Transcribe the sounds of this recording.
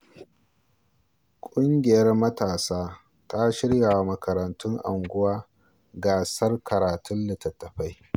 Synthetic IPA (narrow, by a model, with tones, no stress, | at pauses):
kʷʼʊ˦ŋɡʲɪ˨jɐ˦rmɐ˦taː˨saː˦ | tʰa˦ʃɪ˦ɽja˨wa˦mɐ˨kɐ˨ɾɐ˨ntʰʊ˦ŋʔa̰˨ŋɡʷʊ˦waː˦ | ɡaː˨sɐ˦rkɐ˨ɾaː˨tʰʊ˦nlɪ˨tɐ˨tːɐ˨ɸa˦j